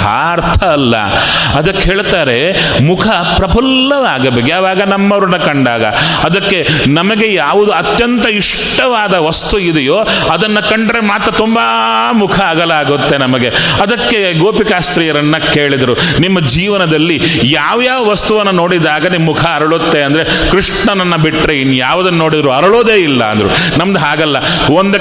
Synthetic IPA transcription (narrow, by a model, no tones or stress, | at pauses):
a̰ːɾt̪ʰɐːlːɐ̰ | ɐd̪ɐkːeɦeːɭt̪aːɾe̞ | mukʰɐ | pɾɐbʱɐlːɐʋaːɡɐbeɡeɐʋaːɡɐnɐmːɐʋɾɐnɐkɐɳɖaːɡɐ̰ | ɐd̪ɐkːe̞nɐmɐɡe̞jaːʋud̪uɐt̪jɐnt̪ɐiʂ | ʈːɐʋaːd̪ɐʋɐst̪uid̪ɛjoː | ɐd̪ɐnːɐkɐɳɖɾemaːt̪ɾɐt̪umbɐ | mukʰɐaːɡɐlaːɡut̪ːe̞nɐmɐɡe | ɐd̪ɐkːe̞ | ɡoːpikaːst̪ɾiːjɐɾɐnːɐke̞ːɭid̪ɐɾunimːɐd͡ʒiːʋɐnɐd̪ɐlːijaːʋjaːʋɐʋɐst̪uʋɐnːɐno̞ːɽid̪aːɡɐnimːukʰɐːɾɐɭut̪ːe̞ɐnd̪ɐɾe | kɾiʂɳɐnɐnːɐbiʈːɾeinːjaːʋɐd̪ɐnːɐno̞ːɽid̪ɐɾuɐɾɐɭoːd̪e̞ːilːɐ̰ɐ̰nd̪ɐɾṵ | nɐmɐd̪ɦaːɡɐlːɐ | ond̪